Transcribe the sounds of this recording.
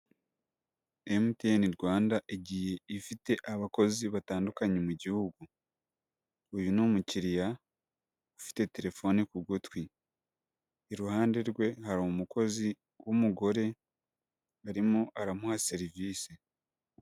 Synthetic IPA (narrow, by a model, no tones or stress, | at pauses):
emteniɾɡwaːndaʔiɟije̞ifite̞ʔaβako̞ziβataːndukaɲe̞muɟihuɡu | ujunumuciɾija | ufi̥te̞te̞ɾe̞fo̞nikuɡotwi | eɾuhaːnde̞ɾɡwe̞haɾumuko̞zi | wumuɡo̞ɾe̞ | aɾimoʔaɾamuhase̞ɾiviːse